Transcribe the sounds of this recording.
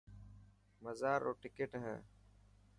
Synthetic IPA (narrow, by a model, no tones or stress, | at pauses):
məzaːɾo̰ːʈɪkeʈɦɛ̰̃ː